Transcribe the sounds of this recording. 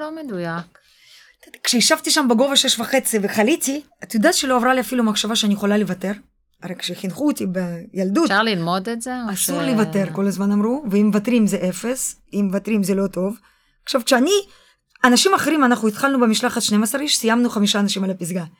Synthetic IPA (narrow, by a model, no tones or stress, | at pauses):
omed̪ujak | t̪et̪kʃejiʃavt̪iʃambeɡovaʃeʃvaχet͡siveχalit̪i | at̪ud̪atʃeloavɾaliafilumaχʃavaʃeanijeχolalevat̪e̞ɾ | aɾekʃeχinχuot̪ibejald̪uʃaʁlilmod̪etzeasuɾlevat̪eɾkko̞lazmanamɾuveimːevat̪ɾimzeʔefes | imːevat̪ɾimzelo̞t̪o̞v | akʃavkʃeani | anaʃimaχeɾimanaχuit̪χalnubemiʃlaχat̪ʃnemasaɾiʃsijamnuχamiʃaːnaʃimalapis̬ɡa